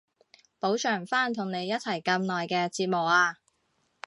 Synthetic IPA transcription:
po˨˥wt͡ʃʰœː˨˩ŋfaː˥nt̪ʰʊ˨˩ŋne˨˧jːɐ˥t̚t͡sʰɐ˨˩jkɐ˧mnɔː˨jkɛː˧t͡siː˧t̚mʊ˨k̚aː˧

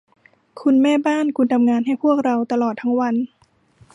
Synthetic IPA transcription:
kʰu˧nmɛː˥˩baː˥˩˨nkʰu˧nt̪ʰa˧mŋaː˧nɦa˥˩jpʰu˥˩ək̚ɾa˧wt̪a˧lɔː˨˩t̪ʰːa˦˥ŋwa˧n

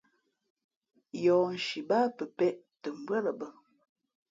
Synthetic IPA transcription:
jɔː˨n̩˨ʃi˨baː˦pə˨pɛ˦˨ʔ | tə˨m̩˨bwɛ˦lə˨bə˨

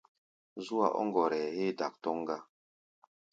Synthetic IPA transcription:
zu˦a̰˨ʔɔ̰˦ŋɡɔ˨ɾɛ˨he˦da˨k̚tɔ˦ŋɡa˦

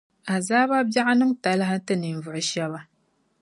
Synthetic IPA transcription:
a˨zaː˦ba˦bja˦ʔa˦nɨ˦mta˨lɨ˦ɦa˦tɨ˦ni˨n˨vʊ˨ʔʊ˨ʃɛ˦βa˦

